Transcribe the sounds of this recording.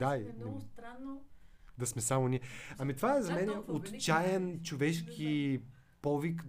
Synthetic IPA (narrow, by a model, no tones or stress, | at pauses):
d̪aint̪ɾanːd̪ɐsmɛsamʊniɛɐmit̪ovaɛzɐmɛnɛot̪t͡ʃajɛnt͡ʃovɛʃkʰʲi | pɔvik